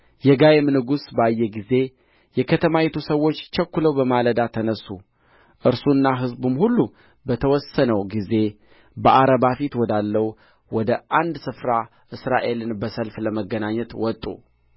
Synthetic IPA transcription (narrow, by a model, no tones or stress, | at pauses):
jɛɡajemnɨɡusbəajːɛɡize̞ | jɛkʰət̪ʰəmajɛt̪ʰusəwːo̞t͡ʃːt͡ʃʰəkːuləwbəmaləd̪at̪ʰənəsːu | ʔɨɾsunːaɦɨzbumhulːu | bət̪ʰəwɔsənəwɡize̞ | bəʔaɾəbafit̪wɔd̪alːəwu | wɔd̪əʔand̪sɨfɾa | ʔɨsɾaʔe̞lɨnbəsəlfləməɡənaɲːɛt̪wɔt̪ʼːṵ